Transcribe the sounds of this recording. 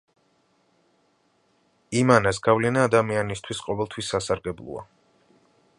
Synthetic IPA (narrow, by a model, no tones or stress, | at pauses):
imanasɡ̥avlɛnaːd̪amianist̪ʰwisqʼɔvɛlˠt̪ʰwisːasaɾɡɛblˠɔ̰a̰